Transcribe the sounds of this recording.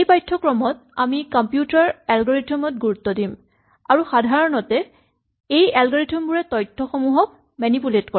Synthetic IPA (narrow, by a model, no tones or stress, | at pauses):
ejpajtʰːɔkɹɔmɔt | amikɔmpjutaɹɛlɡɔɹitʰɔmɔt̚ɡuɹutːɔdim | aɹuxadʱaɹɔnɔtɛ | ejɛlɡɔɹitʰɔmbuɹɛtɔjtʰːɔxɔmuɦɔk̚ | mɛnipuletkɔ